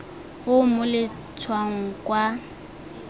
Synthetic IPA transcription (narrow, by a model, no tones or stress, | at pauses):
ʊmʊlɪ | t͡sʰwaŋ̩kʼwa